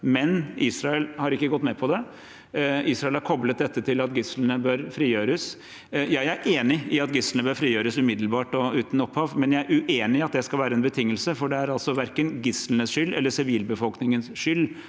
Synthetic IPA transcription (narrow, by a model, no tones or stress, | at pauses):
mɛnʔiːsɾɑɛlhɑɾɪkːəɡɔt̪ːmɛpʰɔd̪ɛ | iːsɾɑɛlhɑɾkʰɔblət̪̚d̪ɛt̪ːət̪ʰɪlɑt̪ɡɪslnəbøɾfɾiːjøːɾəs | jæɪæɾʔeːnɪɪɑt̪ɡɪslnəbøːɾfɾiːjøːɾəsʉmɪd̪l̩bɑːʈɔʉːt̪n̩ɔpʰhɑːʋmɛnjæɪæɾʉʔeːnɪɑt̪̚d̪ɛskɑlʋæːɾəɛnbət̪ʰɪŋːəlsəfɔɖɛæɾɑlsɔʋæɾkənɡɪslnəsʂʏlːʔɛ̰lːəsɪʋiːlbəfɔlknɪŋənsʂʏlː